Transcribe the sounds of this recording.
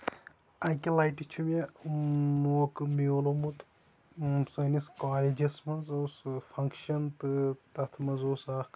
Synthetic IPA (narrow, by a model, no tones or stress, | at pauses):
ɐjkʲilaːjʈit͡ʃʰumʲɐ | mukmiolomut̪ | sɐniskaːlid͡ʒɐsmɐnzoːsfʰɐŋkʃɐnt̪ɨt̪ɐt̪ʰmɐnzoːsaːk